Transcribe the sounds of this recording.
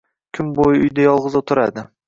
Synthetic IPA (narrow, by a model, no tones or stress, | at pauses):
kʲʰɪmbojɪʊjd̪ajɒlˠʁɨzot̪ʰʊɾad̪ɪ